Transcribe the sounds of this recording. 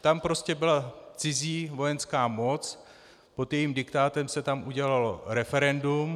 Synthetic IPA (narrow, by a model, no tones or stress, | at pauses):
t̪ampɾo̞scɛbɪlat͡sɪziːvo̞jɛnskaːmo̞t͡s | po̞t̪jɛjiːmdɪkt̪aːt̪ɛmsɛt̪amʔuɟɛlaloɾɛfɛɾɛndum